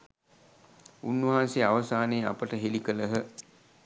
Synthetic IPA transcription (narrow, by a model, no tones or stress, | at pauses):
unːəɦaːseaʋɐsaːneːapəʈəɦelikələɦə